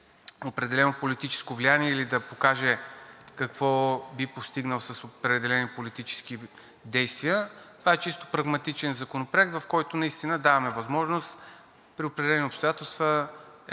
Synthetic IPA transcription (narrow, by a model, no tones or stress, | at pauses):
opɾɛd̪ɛlɛnopolit̪it͡ʃɛ̥skovlijaniɛilid̪ɐpokaʒɛkɐkvɔbipost̪iɡnəlˠsɐsopɾɛd̪ɛlɛnipolit̪it͡ʃɛ̥sk̟i | d̪ɛjst̪viət̪ovaɛt͡ʃist̪o̥pɾɐɡmɐt̪it͡ʃɛnzɐkonopɾoɛk̚t̪vɐfkɔjt̪ʊnɐist̪inəd̪avɐmɛvɐzmɔʒnost̪ | pɾiopɾɛd̪ɛlɛniopst̪ojat̪ɛlˠst̪və